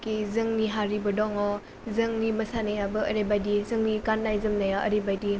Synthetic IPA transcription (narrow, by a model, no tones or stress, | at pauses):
kezɯŋniɦaɾibɯdɔŋɔ | zɯŋnimɐsanajabɯəɾebajdizɯŋnikanːajzɯmnajaʔə̰ɾebajdi